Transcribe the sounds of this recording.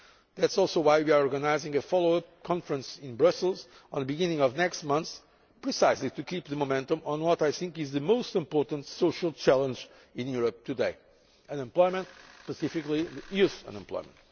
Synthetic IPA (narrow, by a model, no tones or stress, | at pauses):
ðætsɔlˠsoʊwajwia˞ɔɹɡənaɪzɪ̃ŋɨfɔlˠoʊʌp̚kʰɑ̃ɱfɹə̃nsɪ̃nbɹʌslˠz | ə̃nðəbiɡɪ̃nɪ̃ŋɔvnɛkstmʌ̃nθs | pɹisaɪslit̪ukʰip̚ðɨmomɛ̃ntə̃mə̃nwɔtajθɪ̃ŋkɨzðɨmoʊstɪ̃mpɔɹtə̃ntsoʃəlˠt͡ʃælˠə̃nd͡ʒ | ĩnjuɹəp̚t̪ʰɨdeɪ | ɨ̃nɨ̃mplɔɪmə̃ntspəsɪfɨkliðjuθə̰̃nɛ̃mplɔ̰ɪmə̰̃nt